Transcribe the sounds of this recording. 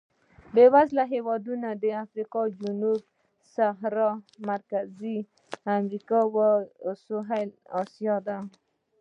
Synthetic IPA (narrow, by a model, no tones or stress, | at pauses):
bewazlaɦewɑd̪unad̪əafɾiqɑd͡ʒunub̚ | saɦɾɑmaɾkazi | amɾikɑwasoɦalɑsjɑd̪a